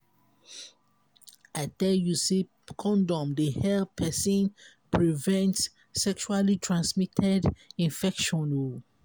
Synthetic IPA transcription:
aɪtɛljusi | kʰɔ̃ndɔ̃mdehɛlpʰɛsĩnpɹivɛ̃ntsː | ɛkʃualitʰɹãnsmitʰɛdĩnfɛkʃɔ̃nu

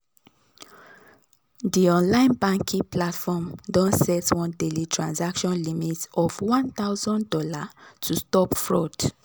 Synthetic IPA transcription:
diɔ̃nlãɪ̃nbãŋkʰĩplatfɔmdɔ̃nsɛtwɔ̃ndelitʰɹãnsakʃɔ̃nlimitɔfwɔ̃nt̪aʊzɔ̃ndɔlatʰustɔpfɹɔd

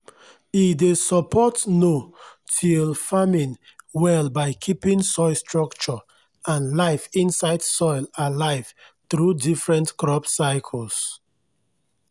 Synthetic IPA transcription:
idesɔpʰɔtno | tʰilfamĩnwɛlbaɪkʰipĩnsɔɪlstɹɔkt͡ʃɔ | ãnlaɪfĩnsaɪdsɔɪlalaɪv̥ | θɹudifɹɛ̃ntkɹɔbsaɪkʰəls

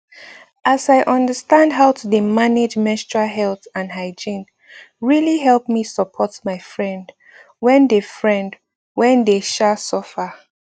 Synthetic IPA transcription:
ʔasaɪʔʌ̃ndəstãndɦaʊtʰudemaned͡ʒmɛ̃stɹaɦɛlθãnɦaɪd͡ʒĩn | ɹiliɦɛlp̚misəpʰɔtmaɪfɹɛ̃nd | wɛ̃ndefɹɛ̃nd | wɛ̃ndeʃasɔfə

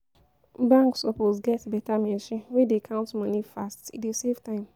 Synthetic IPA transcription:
bãŋksɔposɡɛtbɛtamɛ̃ʃĩnwedekʰãʊ̃ntmãnifastḭdeseftãɪ̃m

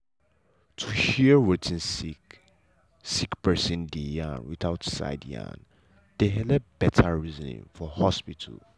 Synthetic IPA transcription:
tʰuʃiwɛtʰĩnsi | sikpɛsĩndijã̰nwitaʊtsa̰ɪdjã̰n | d̥eɦɛlɛp̚bɛtʰaɹizɔnḭ̃ŋfɔhɔspitʰə̰l

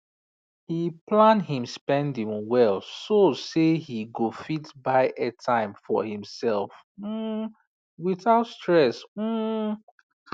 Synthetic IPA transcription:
hiplãnhĩmspɛ̃ndĩŋwɛlˠsosehiɡofitbaɪʔɛtʰãɪ̃mfɔ̰hĩmsɛlˠf | m̩ | wiθaʊtstɹɛsm̩

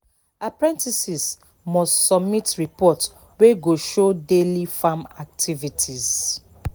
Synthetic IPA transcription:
apɹɛ̃ntisis | mɔstsɔbmitɹipɔt | weɡoʃodelifamak̚tʰivitʰiz̥

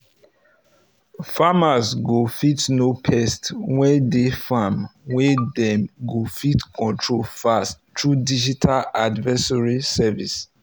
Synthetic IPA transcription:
famazɡofitnopʰɛstwɛdefamwɛdɛ̃mɡofitkʰɔ̃ntʰɹolfasttːɹudid͡ʒitʰaladvɛsɔɹisɛvḭs

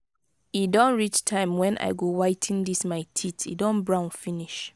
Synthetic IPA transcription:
idɔ̃nɹit͡ʃtʰãɪ̃mwɛ̃nʔa̰ɪɡowaɪtʰĩndismaɪtʰitʰḭdɔ̃nbɹãʊ̃nfiniʃ

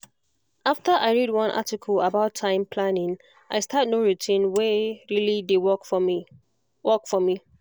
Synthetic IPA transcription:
ʔaftəʔaɪɹidwʌ̃nʔa̰tikʰələbaʊtʰãɪ̃mpʰlanɪ̃ŋ | ʔaɪstʰatnoɹutʰĩnwɛɹilidewɔk | wɔkfɔmi

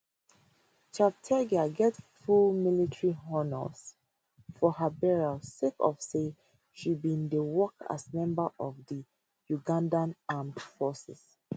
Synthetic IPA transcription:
t͡ʃap̚tʰɛɡaɡɛtfulmilitʰɹiɦɔnə̰s | fɔhəbɛɹalsekɔ̰fse | ʃibĩndəwɔka̰smɛ̃mbəʔɔvdə | juɡãndãnãmfɔsɛs

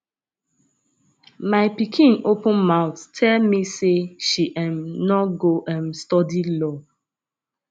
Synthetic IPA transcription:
maɪpikʰĩnopə̃nmaʊttʰɛlmiseʃiʔãmnɔɡoʔãnstɔdilɔ

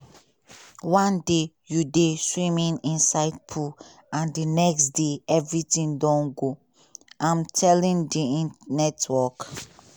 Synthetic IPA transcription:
wɔ̃nde | judeswĩmĩnĩnsaɪd̚pʰu | ãndinɛksdeɛvɹitĩndɔ̃nɡo | ʔãmtʰɛlĩndiĩnɛtwɔk

